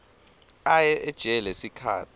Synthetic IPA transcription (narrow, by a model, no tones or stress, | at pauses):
ajɛʔɛd̥ʒ̥ʱɛlesikʰa̰ːtʰi